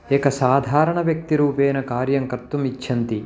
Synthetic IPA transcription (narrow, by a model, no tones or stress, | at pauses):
eːkɐsaːd̪ʱaːɾɐɳɐʋjɐk̚t̪iɾuːpeːnɐkaːɾjɐŋkɐt̪ːumit͡ʃːʃʰɐnt̪i